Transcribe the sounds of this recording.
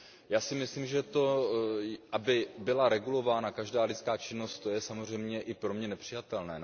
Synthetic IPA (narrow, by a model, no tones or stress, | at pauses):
jaːsɪmɪsliːmʒɛt̪o̞ | ʔabɪbɪlaɾɛɡulo̞vaːnakaʒdaːlɪt͡skaːt͡ʃɪno̞st̪t̪o̞jɛsamor̝ɛjmɲɛʔɪpɾo̞mɲɛnɛpr̝̥ɪjat̪ɛlnɛː